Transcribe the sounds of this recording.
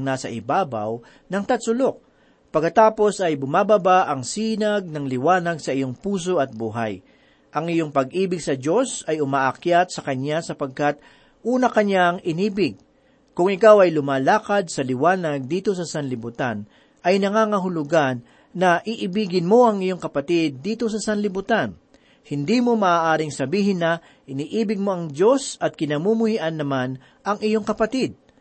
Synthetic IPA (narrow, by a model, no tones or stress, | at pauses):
ŋnaːsɐʔɪbaːbɐ̰w | nɐŋt̪ɐt̪sʊlo̞k̚ | pɐɡkːɐt̪aːpo̞sɐjbʊmaːbɐbaʔɐŋsiːnɐɡ̚nɐŋlɪwaːnɐɡsɐʔɪjo̞ŋpuːs̬o̞ʔɐt̪̚buːɦa̰j | ʔɐŋɪjo̞ŋpɐɡ̚ʔiːbɪɡsɐd͡ʒo̞sɐjʊmaːʔɐkjat̪̚sɐkɐɲːasɐpɐɡ̚kat̪̚ | ʔuːnɐkɐɲːaŋʔɪniːbɪɡ̚ | kʊŋɪkawɐjlʊmaːlaːkɐd̪̚sɐlɪwaːnɐɡ̚d̪iːt̪o̞sɐsɐnlɪbʊt̪an | ʔɐjnɐŋaːŋɐɦʊlʊɡanː | ɐʔiʔɪbiːɡɪnmo̞ʔɐŋɪjo̞ŋkɐpɐt̪ɪd̪ːiːt̪o̞sɐsɐnlɪbʊt̪an | hɪnd̪iːmo̞mɐʔaːʔaːɾɪŋsɐbiːɦɪnːɐ | ʔɪniːʔiːbɪɡ̚mo̞ʔɐŋd͡ʒo̞sɐt̪̚kɪnɐmumʊhiʔɐnːɐman | ʔɐŋɪjo̞ŋkɐpɐt̪id̪̚